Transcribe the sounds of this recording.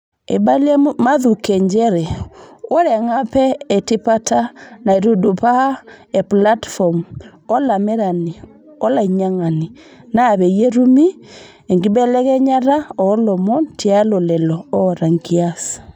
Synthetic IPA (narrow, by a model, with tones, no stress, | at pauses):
ḛ˨ba˦lɛ˦maðu˨kɛ˨ɲd͡ʒɛ˦ɾɛ˨o˦ɾɛ˨ŋa˦pɛː˦˨ti˦patʰa˦na˨e˨ɾu˨dopa˦a˦ | ɛ˨pla˦tfɔ˨m | ɔ˦la˨mɛ˦ɾa˨ni˨ | ɔ˦la˨i˨ɲa˦ŋa˨ni˨ | naː˦˨βɛ˨jɛ˦ɾu˦mi˦ | e˨ŋɡi˦bɛ˦lɛ˦ɣɛ˦ɲa˦ɾa˦ɔ˨˦lɔ˨mɔ˦ntʰia˦lɔ˨lɛlɔɔ˦ɾa˨ŋɡia˦s